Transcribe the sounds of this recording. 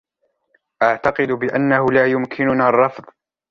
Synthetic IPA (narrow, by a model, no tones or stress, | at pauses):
ʔaʕt̪ɑqɨd̪ʊbɪʔanːahʊlaːjʊmkʰɪnʊnaːrˤːɑfðˤ